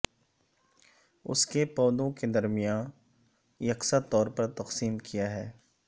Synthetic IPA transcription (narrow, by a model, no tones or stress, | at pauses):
ʊ̰skepɔːd̪õked̪ɐɾmijaːn | jɐqsat̪ɔːɾpɐɾt̪ɐqsiːmkʰijaɦɛː